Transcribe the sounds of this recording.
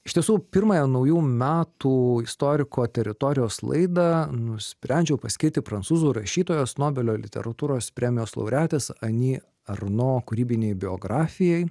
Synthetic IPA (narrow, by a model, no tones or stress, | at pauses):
ɪʃt̪ʲiɛsuːpʲɪɾmɐjɛnɐʊjuːmʲæːt̪uːɪst̪oːɾʲɪkoːt̪ʲɛɾʲɪt̪oːɾʲɪjoːslˠɐ̰ɪd̪ɐnʊsʲpʲɾʲɛˑnʲd͡ʒʲɛʊpɐsʲkʲɪɾʲt̪ʲɪpɾɐnt̪suːzuːɾɐʃʲiːt̪oːjoːsnoːbʲɛlʲoːlʲɪ̰t̪ʲɛ̰ɾɐt̪uːɾoːspʲɾʲɛːmʲɪjoːslˠɐ̰ʊɾʲæːt̪ʲeːsɐnʲiː | ɐɾnoːkʊɾʲiːbʲɪnʲɛɪbʲɪo̰ːɡɾɑːfʲɪjɛɪ